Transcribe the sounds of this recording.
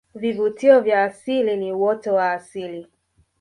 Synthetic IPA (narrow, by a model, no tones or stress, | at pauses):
vivutiɔvjaːsiliniwɔtɔwaːsili